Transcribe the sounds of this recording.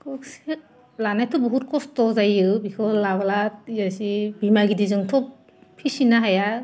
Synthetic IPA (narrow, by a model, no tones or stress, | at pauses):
kɔksi | lanajtʰɔbɔɦut̚kɔstɔzajɯbikʰɔlaβalaijasibimaɡidizɯŋtʰɔp | pʰːisinaɦaja